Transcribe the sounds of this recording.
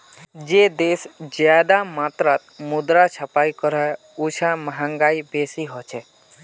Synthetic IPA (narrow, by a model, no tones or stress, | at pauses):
d͡ʒeːd̪eːsd͡ʒjaːd̪amaːt̪ɾat̪mʊd̪ɾat͡ʃʰəpaːikəɾɔ | ʊt͡ʃʰaməɦãŋɡaːibeːsiɦɔt͡ʃʰɛ